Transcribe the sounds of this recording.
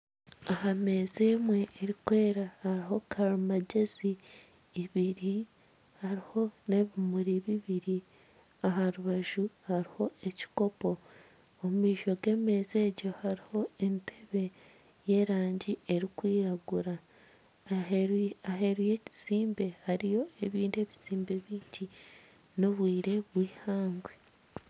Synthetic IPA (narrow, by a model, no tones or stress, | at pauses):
ahame̞ːzemwe̞ʔːɾikwe̞ːɾahaɾiɦo̞kʰaɾmaɟeziː | βiɾi | haɾiho̞ne̞βimuɾiβiβiɾi | aɦaɾuβaʒuhaɾiho̞e̞ci̥ko̞po̞ː | mumiːʃo̞ɡe̞ːme̞ːze̞ːɟo̞haɾiho̞e̞ntʰeβe̞ | je̞ɾaːɲɟie̞ɾikwiːɾaɡuɾa | aɦe̞ɾuje̞ci̥z̥iːmbe̞haɾijo̞e̞βiːnde̞ːβiz̥iːmbe̞βiːɲɟi | no̞βwiːɾe̞βwiːhaːŋɡwe